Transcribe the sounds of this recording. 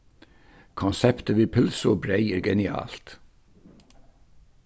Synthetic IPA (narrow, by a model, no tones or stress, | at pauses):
kʰɔnsɛpt̪əʋɪːɾpʰʉlsɔbɾeɪəɾɡɛnɪɑ̰ːlt̪